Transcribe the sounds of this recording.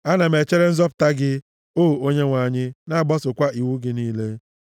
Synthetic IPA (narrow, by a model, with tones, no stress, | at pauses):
a˦na˨me˨t͡ʃe˦ɾe˦n̩˦zɔ˦pʊ̥˨ta˦ɡɪ˦ | o˦˨o˦ɲe˦ŋʷa˨ɲɪ˦na˦˨ɡ͡bɔ˦sʊ˨kʷa˦ʔi˨wu˦ɡɪ˦niː˦le˦